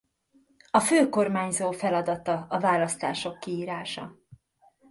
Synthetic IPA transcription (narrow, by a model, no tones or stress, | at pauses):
ɒføːko̞rmaːɲzoːfɛlɒd̪ɒt̪ɒɒvaːlɒst̪a̰ːʃo̞kːiiːɾaːʃɒ̰